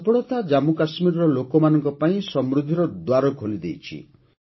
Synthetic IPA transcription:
bɔɭɔt̪ad͡ʒamukasmiɾɔɾɔlokɔmanɔŋkɔpaĩsɔmɾud̪ʱiɾɔd̪waɾɔɡʱolid̪ejt͡ʃʰḭ

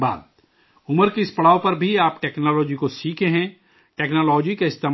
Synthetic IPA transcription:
ba̰ːd̪̚ | ʊməɾkeɪspɐɽaːopɐɾbʱiaːpʈɛːknɔːlɔːd͡ʒikosiːkʰẽɦɛ̃ː | ʈɛːknoːlɔːd͡ʒikaɪst̪eː

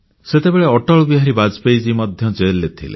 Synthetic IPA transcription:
set̪ebeɭeɔʈɔɭɔbiɦaɾibad͡ʒpejd͡ʒimɔd̪ʱjɔd͡ʒejlːet̪ʰḭlḛ

